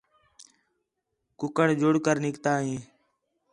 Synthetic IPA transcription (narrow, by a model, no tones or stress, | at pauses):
kʊkəɽd͡ʒʊɽkəɾnɪkt̪aːɦẽː